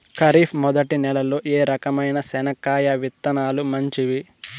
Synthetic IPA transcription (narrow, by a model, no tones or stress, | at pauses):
kɐɾiːpʰmɔd̪ɐʈinɛlɐloːʔeːɾɐkɐmɐjnɐsɛnɐkaːjɐʋit̪ːɐnaːlumɐɲt͡ʃiʋi